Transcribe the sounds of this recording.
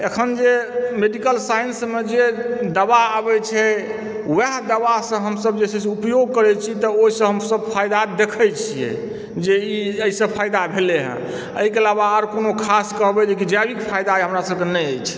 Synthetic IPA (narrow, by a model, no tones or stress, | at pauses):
ekʰənd͡ʒemeɖikəlsajnsmed͡ʒed̪əbaːbɛt͡ʃʰɛ | weɦd̪əβasə̃ɦəmsəb̚d͡ʒesɛseupjoɡ̚kəɾɛt͡ʃʰit̪ɔoisə̃ɦəmsəb̚pʰajd̪ad̪ekʰəjt͡ʃʰijḛ | d͡ʒeiəisə̃pʰajd̪abʱeleɦə̰̃ | əɦikelaβaəɾkonokʰaskəɦbɛd͡ʒekid͡ʒabikpʰajd̪aɦəmɾasəbkenɛjəjt͡ʃʰɛ̥